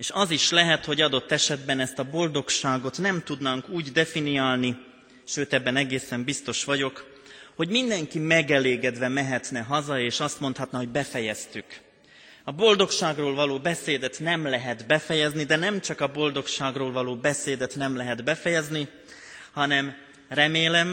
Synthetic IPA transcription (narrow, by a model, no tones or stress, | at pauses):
eːʃɒziʃlɛɦɛt̪ho̞ɟɒd̪o̞t̪ːɛʃɛd̪bɛnɛst̪ɒbo̞ld̪o̞kʃaːɡo̞t̪nɛmt̪ud̪naŋkuːɟd̪ɛfiniaːlni | ʃøːt̪ɛbːɛnɛɡeːsɛmbist̪o̞ʃʋɒɟo̞k | ho̞ɟmind̪ɛŋkimɛɡɛleːɡɛd̪ʋɛmɛɦɛt̪nɛɦɒzɒeːʃɒst̪mo̞nt̪hɒt̪nɒɦo̞ɟbɛfɛjɛst̪yk | ɒbo̞ld̪o̞kʃaːɡroːlvɒloːbɛseːd̪ɛt̪nɛmlɛɦɛd̪bɛfɛjɛznid̪ɛnɛmt͡ʃɒkɒbo̞ld̪o̞kʃaːɡroːlvɒloːbɛseːd̪ɛt̪nɛmlɛɦɛd̪bɛfɛjɛzni | hɒnɛm | rɛmeːlɛm